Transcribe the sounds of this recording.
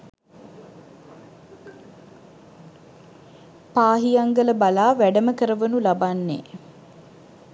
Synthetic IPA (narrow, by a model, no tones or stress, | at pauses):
paːɦijaŋɡələbalaːʋæɖəməkəɾəʋənulabanːḛː